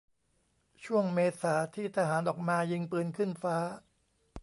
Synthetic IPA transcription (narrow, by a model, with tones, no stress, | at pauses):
t͡ɕʰu˥˩əŋmeː˧saː˩˦t̪ʰiː˥˩t̪ʰa˧ɦaː˩˦nʔɔː˨˩k̚maː˧jɯ˧ŋpɯː˧nkʰɯ˥˩nfaː˦˥